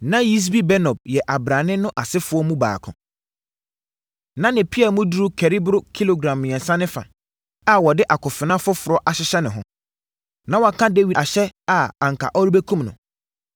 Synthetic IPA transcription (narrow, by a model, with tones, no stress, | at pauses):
nã˦ji˦s̬bi˦bɛ˦nɔ̃˨b̚jɛ˨ʔa˨bɾã˨nɪ̃˦nʊ̃˦ʔa˨sɪ˦fʊ˨˦ɔ˦mũ˦ba̰ː˨kʰʊ̰̃˨ | nã˦nɪ̃˨pʰi˦ɛ˨mʊ̃˦du˦ɾu˦kʰɛ˨ɾi˦bɾʊ˦kʰi˦lo˨ɡɾã˨mː˨ɛ̃˨nsã˦nɪ̃˦fa̰˨ | a˨wɔ˨dɪ˦ʔa˨kʰʊ˨fɪ˨nã˦fʊ˦fʊ˨ɾɔ˦ʔa˨ɕɪ˦ɕɛ˦nɪ̃˨ɦʊ̰̃˦ | nã˨wɔ˨a˨kʰã˦de˦wi˨a˨ɕɛ˦a˨ã˨ŋ̩˨kʰa̰˨ʔɔ˦ɾi˦be˦kʰũ˦mnʊ̰̃˨